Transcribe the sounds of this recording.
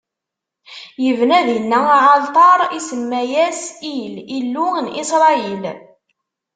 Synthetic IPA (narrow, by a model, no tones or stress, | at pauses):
jəvnæðjənːæʕɑlt̪ˤɑɾˤisəmːæjæsililːunʔisɾˤɑil